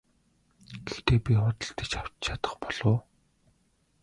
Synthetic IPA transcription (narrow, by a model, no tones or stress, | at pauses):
ɡ̥ext̪eːpʲiχʊt̪ə̆ɮt̪e̥t͡ɕaw̥t͡ɕt͡ɕʰat̪ə̥̆χpɔɮ̥ʊː